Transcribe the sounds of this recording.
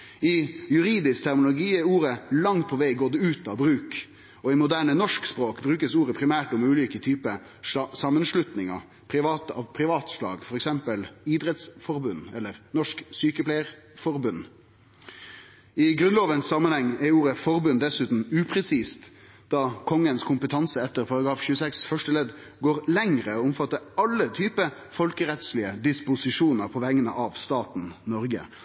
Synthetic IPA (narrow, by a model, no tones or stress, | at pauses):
ɪjʉɾiːd̪ɪskt̪ʰæɾmlʊɡiːɛɾuːɾəlɑŋt̪̚pʰɔʋeɪɡoːd̪ɛʉːt̪ɑbɾʉːk | ɔɪmʊd̪æːɳənɔʂkspɾoːkbɾʉːkəsuːɾəpʰɾɪmæːʈɔmʉːliːkət̪ʰyːpə | sɑmːənʂlʉt̪nɪŋɑ̰ | pʰɾɪʋɑːt̪əɑ̰ʋpʰɾɪʋɑːt̪ʂlɑ̰ːɡfɔɾɛksɛmpəlɪd̪ɾɛt̪sfɔɾbʉnːɛlːəɾnɔʂksyːkəplɛɪəɾ | fɔɾbʉnː | ɪɡɾʉnloːʋənsɑmːənhɛŋːɛuːɾəfɔɾbʉnd̪ɛsʉːt̪n̩ʉːpʰɾɛsiːst̪ | d̪̥ɑkʰɔŋːənskʰʊmpət̪ʰɑnsəɛt̪ːəɾpʰɑɾɑɡɾɑːfçʉːəsɛksfœʂʈəlɛd̪ | ɡoːɾlɛŋɾəoːʊmfɑt̪ːəɾɑlːət̪ʰyːpə | fɔlkəɾɛt̪slɪəd̪ɪspʊsɪʂuːnəɾpʰɔʋæŋːənə̰ʔɑʋst̪ɑːt̪n̩nɔɾɡə̰